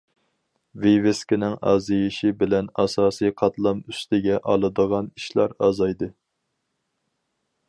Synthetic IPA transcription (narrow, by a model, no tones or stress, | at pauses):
viveskʲinɪŋɑ̰ːzijiʃibɪlɛnɑsɑːsijqʰɑt̪lˠɑmyst̪ʰɪɡʲɛʔɑlˠɨd̪əʁɑniʃlɑ̰ɾɑːzɑjd̪ɨ